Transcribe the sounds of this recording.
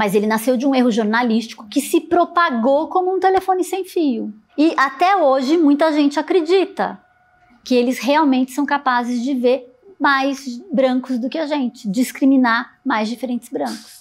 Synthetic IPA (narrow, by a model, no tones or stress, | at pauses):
mɐzelɪnasewd͡ʒɪũeɦʊʒoɾnalist͡ʃi̥kʊ̥kɪsɪpɾopaɡowkõmʊũt̪elefõnɪsẽj̃fijʊ | ɪʔat̪ɛoʒɪmũj̃t̪ɐʒẽnt͡ʃɪakɾed͡ʒit̪ɐ̰ | kɪelɪsheawmẽnt͡ʃɪ̥sɐ̃w̃kapazɪzd͡ʒɪveɾ | majzbɾɐ̃ŋkʊzd̪ʊkɪaʒẽnt͡ʃɪ̥d͡ʒiskɾiminaɾmajzd͡ʒifeɾẽnt͡ʃɪzbɾɐ̃kʊ̥s